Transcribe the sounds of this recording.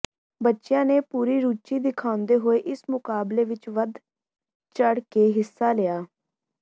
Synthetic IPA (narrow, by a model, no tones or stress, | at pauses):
bətːʃjãːneːpuːɾiːɾuːt͡ʃiːd̪ɪkʰãːʊ̃nd̪eːɦoːeːʔɪsmʊkaːbleːʋɪt͡ʃʋəd̪ | t͡ʃəɽkeːɦɪsːaːlɪjaː